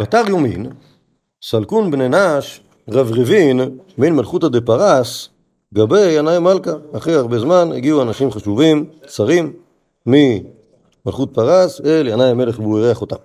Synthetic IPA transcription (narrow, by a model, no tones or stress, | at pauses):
bataʁjomḭn | salkunbnenaʃ | ʁavʁivinminmalχutad̪epaʁas | ɡabejanajmalkaːχeaʁbezmanḛɡiuanaʃimχaʃuvimt͡saʁimː | i | malχut̚paʁaseljanajameleχbuiʁeaχota̰m